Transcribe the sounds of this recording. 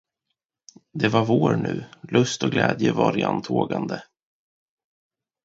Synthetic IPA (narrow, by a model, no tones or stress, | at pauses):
d̪ɛvaɾvoːɾɳʉ̟ːlɵst̪ɔɡlɛːd̪jəvɑɾɪant̪ʰoːɡand̪ə